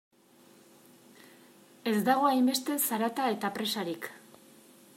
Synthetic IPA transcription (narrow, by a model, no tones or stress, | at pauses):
e̞zd̪aɣ̞o̞ajmbe̞st̪e̞saɾat̪ae̞t̪apɾe̞saɾik